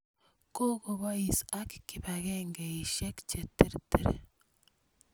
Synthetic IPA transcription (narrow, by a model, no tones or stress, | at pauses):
koɣoβaisakikiβaɣeŋɡeiʃeki̥t͡ʃetiɾtiɾḛ